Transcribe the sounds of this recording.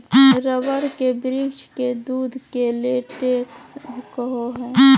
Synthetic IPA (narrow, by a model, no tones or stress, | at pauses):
ɾəʋəɾkebɾit͡ʃked̪uːd̪ʱkeleʈeːkskəɦoɦɛ̃ː